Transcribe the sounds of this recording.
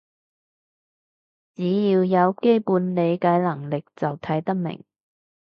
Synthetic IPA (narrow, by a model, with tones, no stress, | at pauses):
t͡siː˨˥jiː˧wjɐ˨˧wke˥jpuː˨˥nle˨˧jkaː˨˥jlɐ˨˩ŋlɪ˨k̚t͡sɐ˨wt̪ʰɐ˨˥jt̪ɐ˥k̚mɪ̰˨˩ŋ